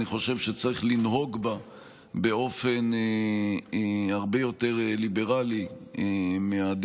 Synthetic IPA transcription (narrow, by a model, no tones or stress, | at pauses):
niχo̞ʃe̞vʃet͡saʁiχlinɦo̞ɡba | be̞o̞fe̞n | haʁbe̞jo̞te̞ʁlibe̞ʁali | mead̪